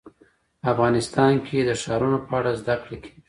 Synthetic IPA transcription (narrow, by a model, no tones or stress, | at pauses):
afɣɑnɪst̪ɑnkʰed̪əʃɑɾunopəaɽazd̪akɽekʰḁi